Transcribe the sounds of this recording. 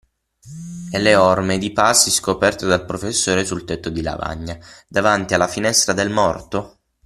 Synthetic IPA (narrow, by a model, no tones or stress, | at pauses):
ɛlːeɔrmed̪ipasːiskopɛrt̪od̪alpɾofesːoːɾesult̪et̪ːod̪ila̰va̰ɲːad̪avant̪ialːafinɛst̪ɾad̪elmɔrt̪o